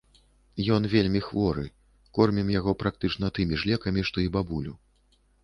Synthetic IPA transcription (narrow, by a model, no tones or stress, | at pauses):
jɔnvʲelʲmʲixvɔɾɨ̰ | kɔrmʲimjaɣɔpɾʔak̚t̪ɨt͡ʂnɐt̪ɨmʲiʐlʲɛkɐmʲiʂt̪ɔibabulʲu